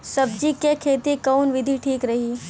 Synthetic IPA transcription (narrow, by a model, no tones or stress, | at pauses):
sɐb̚d͡ʒikekʰeːt̪ikɐnʋɪd̪ʱiʈʰiːkɾɐɦiː